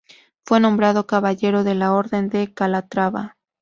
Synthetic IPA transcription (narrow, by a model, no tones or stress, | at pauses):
fwe̞nõ̞mbɾað̞o̞kaβaʝe̞ɾo̞ðe̞lao̞ɾðe̞nd̪e̞kalat̪ɾaβa̰